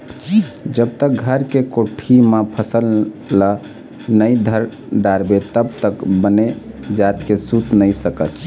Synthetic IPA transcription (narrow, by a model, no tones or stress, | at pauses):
d͡ʒəb̚t̪ək̚ɡʱəɾkekoʈʰimepʰəsəlːə | nəjd̪ʱəɾ | ɖaɾbet̪əbt̪əkbəne | d͡ʒat̪kesut̪nəjsəkət